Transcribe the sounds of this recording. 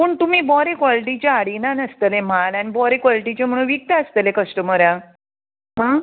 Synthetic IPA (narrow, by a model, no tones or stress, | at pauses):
pəːɳt̪um̤iːbɔɾekʋɔliʈit͡ɕeaɽinanəst̪əlem̤alanibɔɾekʋaliʈit͡ɕem̤əɽ̃ũːnʋik̚t̪əəst̪əlekəsʈəməɾjã | ɦã